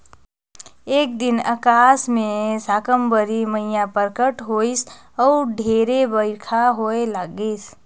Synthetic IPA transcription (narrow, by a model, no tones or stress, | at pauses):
eːk̚d̪ɪnəkaːsmẽsaːkəmbəɾiməɪjãpəɾkəʈɦois | ɔʊɖʱeːɾebəɪkʰaɦoelaɡəs